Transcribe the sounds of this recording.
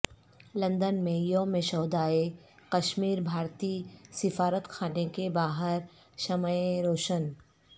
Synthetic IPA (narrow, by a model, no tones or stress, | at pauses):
lɐ̃nd̪ənmẽjoːmẽʃɔːd̪aːe | kɐʃmiːɾbʱaːɾt̪iːsɪfaːɾət̪xʰaːnekebaːɦəɾ | ʃɐməeɾoːʃən